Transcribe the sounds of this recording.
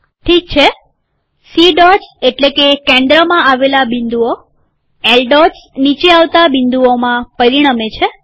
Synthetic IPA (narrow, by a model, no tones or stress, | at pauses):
ʈʰik̚t͡ʃʰe | siɖɔseʈlekekẽnd̪ɾəmãaʋelabĩnd̪uo | elɖɔsnit͡ʃeaʋt̪abind̪uomãpəɾiɽ̃amet͡ʃʰe